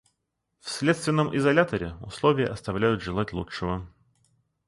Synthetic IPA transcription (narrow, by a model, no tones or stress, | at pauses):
fsʲlʲet̪st̪vʲɪnːəmʔɪzɐlʲat̪əɾʲɪʊslˠovʲɪjəʔɐst̪ɐvlʲæjʊt̪ʐɨlˠatʲlˠuʂɨvə